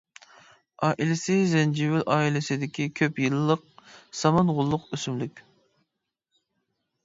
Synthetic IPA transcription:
ɑːʔilɪsɪzɛnd͡ʒiwɪlʔɑːilɪsɪd̪ɪkʲikʲʰøpjɨlˠɨːəq̚sɑmɑnʁʊlˠːʊqøsymlykʲ

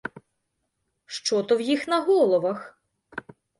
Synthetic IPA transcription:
ʃt͡ʃɔt̪ɔwjixnɐɦɔlˠɔʋɐx

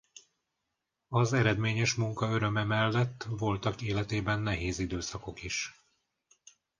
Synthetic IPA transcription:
ɒzɛɾɛd̪meːɲɛʃmuŋkɒøɾø̞mɛmɛlːɛt̪ːvo̞lt̪ɒkeːlɛt̪eːbɛnːɛɦeːzid̪øːsɒko̞kiʃ

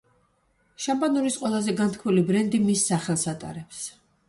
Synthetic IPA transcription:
ʃambʼanuɾisqʼwɛlˠazɛɡant̪ʰkʰmilibɾɛnd̪imisːaχɛlˠsat̪ʼa̰ɾɛps

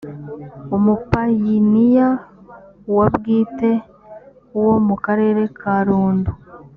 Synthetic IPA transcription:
omupajinija | wabɡiːte̞ | wo̞mukaɾe̞ːɾe̞kʰaɾuːndu

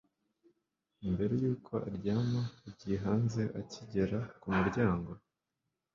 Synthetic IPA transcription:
imbe̞ɾe̞juːkʰo̞ʔa̰ɾɟaːmaibɟiɦaːnze̞ʔaciɟeɾakumuɾɟaːŋɡo̞

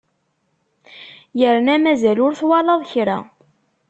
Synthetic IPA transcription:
jəɾnæmæzælʊɾθwɑlɑðˤçɾæ̰

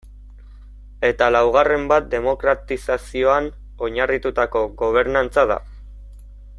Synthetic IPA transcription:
e̞t̪alawɣ̞are̞mbat̪̚d̪e̞mo̞kɾat̪isasio̞an | o̞ɲarit̪ut̪ako̞ɣo̞β̞e̞ɾnant͡sað̞a̰

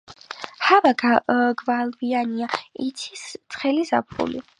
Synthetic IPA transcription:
havaɡvalbianiait̪sʰist̪sʰʼχɛlizapʰṵlḭ

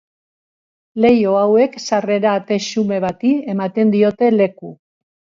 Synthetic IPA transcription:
le̞jo̞awe̞ksare̞ɾaːt̪e̞ʃume̞βat̪ie̞mat̪e̞nd̪io̞t̪e̞le̞ku

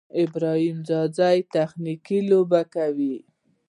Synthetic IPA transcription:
ɪbɾɑhimzɑzajt̪axnikilobakawi

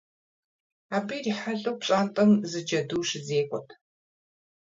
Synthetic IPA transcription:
aːbijriːħaɮʼɨwpɕʼaːntʼɐmzɨd͡ʒɐduːʃɪzeːkʷʼɔtʰ

